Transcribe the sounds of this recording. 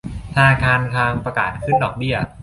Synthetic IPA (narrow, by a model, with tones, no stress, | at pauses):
t̪ʰa˧naː˧kʰaː˧nt̪ʰaː˧ŋpɾa˧ka̰ː˨˩t̪̚kʰɯ˥˩ndɔː˨˩k̚bi˥˩ɐ